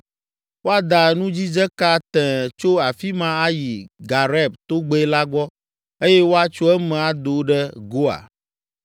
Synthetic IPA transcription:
wo˦a˨d̪a˨nũ˦d͡ʑi˦d͡ʒɛ˦ka˦t̪ɛ̃˨t͡ʃo˦a˨fi˦mã˦a˦ji˨ɡa˨ɾɛ˦˨b̚t̪o˦ɡ͡be˦la˦ɡ͡bɔ˦ | e˦jɛ˦wo˦a˨t͡ʃo˦ɛ˦mɛ̃˨a˨d̪o˨ɖɛ˦ɡo˦a̰˨

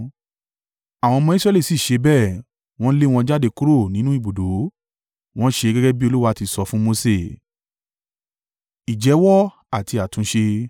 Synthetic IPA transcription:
a˨w̃ɔ̃˧mɔ̃˧i˦sɾɛ˦˧li˦˨si˦˨ʃe˨˧bɛ˦˨ | w̃ɔ̃˦le˦w̃ɔ̃˧˦d͡ʒa˦de˧ku˦ɾo˦˨nĩ˦nũ˦i˦˨bo˨do˨˦ | w̃ɔ̃˦ʃe˧ɡɛ˦ɡɛ˦bi˦o˧lu˦wa˧˦˧ti˧sɔ˧fũ˦mo˧se˦˨ | i˨d͡ʒɛ˨˦wɔ˦ | a˨ti˧a˨tũ˨˦ʃe˧

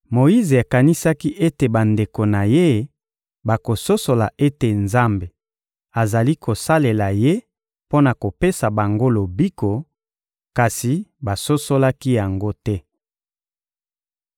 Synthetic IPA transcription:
mo˨ji˦ze˨a˨ka˨ni˦sa˦ki˦ʔe˦te˨ba˨nde˨ko˨na˨je˦ | ba˨ko˨so˦so˨la˨ʔe˦te˨nza˦mbe˨ | a˨za˨li˦kʰo˨sa˦le˨la˨je˦ | po˦na˨ko˨pe˦sa˨ba˨ŋɡo˦lo˨bi˦ko˨ | ka˨si˨ba˨so˦so˦la˦ki˦ja˨ŋɡo˦tɛ˦

